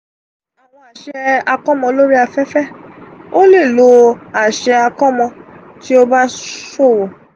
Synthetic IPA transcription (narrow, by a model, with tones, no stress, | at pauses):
a˨w̃ɔ̃˧a˨ʃɛ˧a˧kɔ˦mɔ̃˧lo˦ɾi˦a˧fɛ˦fɛ˦o˦le˦˨lo˧˦a˨ʃɛ˧a˧kɔ˦mɔ̃˧ | ti˦o˦ba˦so˦˨wo˨